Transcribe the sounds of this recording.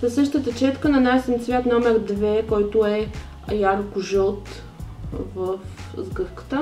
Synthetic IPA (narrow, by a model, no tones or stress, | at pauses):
zəsɤʃt̪ət̪ət͡ʃɛt̪kənɐnajsɛmt̪svʲjat̪nɔmɛɾd̪vɛkɔjt̪ʊɛ | jaɾkʊʒəlˠt̪ | vəfzɡɤxkə̥t̪ə